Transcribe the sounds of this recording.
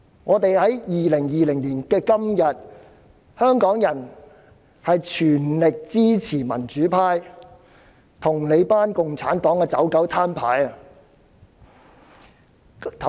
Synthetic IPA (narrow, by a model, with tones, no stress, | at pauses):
ŋɔː˨˧t̪e˨jhɐ˨˥jjiː˨lɪ˨˩ŋjiː˨lɪ˨˩ŋliː˨˩nkɛː˧kɐ˥mjɐ˨t̚ | hœː˥ŋkɔː˨˥ŋjɐ˨˩n | hɐ˨jt͡ʃʰyː˨˩nlɪ˨k̚t͡siː˥t͡sʰiː˨˩mɐ˨˩nt͡ʃyː˨˥pʰaː˧j | t̪ʰʊ˨˩ŋle˨˧jpaː˥nkʊ˨ŋt͡sʰa̰ː˨˥nt̪ɔː˨˥ŋkɛː˧t͡sɐ˨˥wkɐ˨˥wt̪ʰaː˥npʰa̰ː˨˥jɐ˨ | t̪ʰ